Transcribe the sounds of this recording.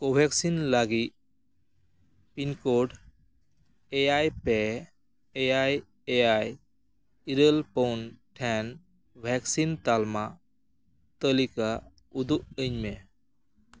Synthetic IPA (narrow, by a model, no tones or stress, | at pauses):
kobʱɛksinlaɡit̚ | pinkɔɖ | ɛjajpɛː | jaj | ɛaj | iɾəlpownʈʰɛn | bʱɛksint̪alma | t̪əlika | ud̪uʔəɲmɛ